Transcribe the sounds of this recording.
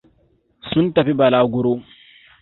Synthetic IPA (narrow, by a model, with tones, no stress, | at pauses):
sʊ˦ntɐ˨ɸi˦bɐ˨laː˦ɡʊ˦ɾoː˦